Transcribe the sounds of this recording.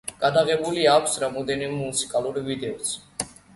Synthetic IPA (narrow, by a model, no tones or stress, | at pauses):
ɡ̥ad̪aʁɛbuliakʷʰsɾamɔd̪ɛnimɛmusi̥kʼaluɾvid̪ɛɔsʰ